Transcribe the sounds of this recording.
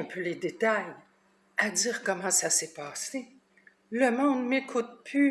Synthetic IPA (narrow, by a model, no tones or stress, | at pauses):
ɛ̃pʰøled̪et̪aj | ad̪iːʁkɔmɑ̃sasɛpaːse | ləmɔ̃d̪mekʰut̪̚pʰly